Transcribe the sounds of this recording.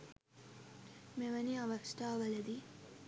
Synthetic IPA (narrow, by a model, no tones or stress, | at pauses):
meʋɐniɐʋɐksʈaːʋɐlɐd̪i